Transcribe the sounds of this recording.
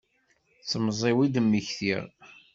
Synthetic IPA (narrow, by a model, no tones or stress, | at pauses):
t͡sːəmːzˤewid̪əmːiçθḭɾ